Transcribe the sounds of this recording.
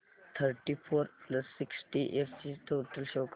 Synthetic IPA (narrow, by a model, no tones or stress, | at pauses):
t̪ʰəɾʈipʰoːɾplɐsːɪksʈiʔefsiʈʰoːʈəlʃoːk